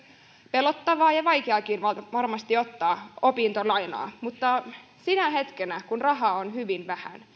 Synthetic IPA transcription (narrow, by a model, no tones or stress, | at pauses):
pelot̪ːɑʋɑːjɑʋɑjkeɑˑkinʋɑʋɑrmɑst̪iot̪ːɑːopint̪olɑino̰ɑ̰mut̪ːɑ | sinæɦet̪kenækunrɑɦɑonhyʋinʋæhæ̰n